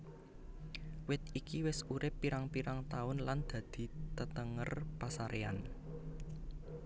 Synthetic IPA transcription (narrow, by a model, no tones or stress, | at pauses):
wɪt̪̚ikiwɪsuɾɪpːiɾaŋpiɾaŋt̪aʊnland̪̥ä̤d̪̥i̤t̪ət̪əŋərpasaɾea̰n